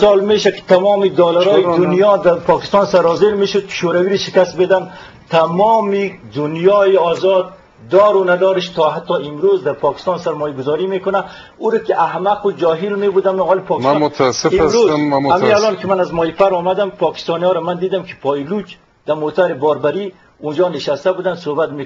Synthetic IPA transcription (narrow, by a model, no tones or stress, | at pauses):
sɑlmeʃakɪ̥t̪amɔːmid̪ɔlaɾɔjid̪ʊnjɔd̪apɔkɪ̥st̪ɑnsaɾɔzeɾmeʃʊd̪̚kɪ̥ʃoɾawiɾiʃɪkast̪̚bed̪an | t̪amɔmid̪ʊnjɔːjiɔzɔd̪ː | ɔɾʊnad̪ɔɾɪʃt̪ɔɦat̪ːɔɪmɾozd̪aɾpɔkɪ̥st̪ɑnsaɾmɔjaɡʊzɔɾimekʊna | uɾakiʔahmaqʊd͡ʒɔːɦilmebud̪amɔlipʰɔːkssfiɾozamialɔːnkimanazmɔːjipaɾɔmad̪ampʰɔkɪ̥st̪ɔniɔːɾamand̪iːd̪amkʰi̥pʰɔilut͡ʃ | d̪̥amot̪aɾibɔːɾbaɾi | und͡ʒɔːnɪʃast̪abud̪and̪sohbat̪mek